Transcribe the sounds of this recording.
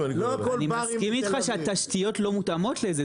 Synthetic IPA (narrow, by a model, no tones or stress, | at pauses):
nimaskimitχaʃeat̪aʃt̪ijo̞tlo̞mutamo̞tleze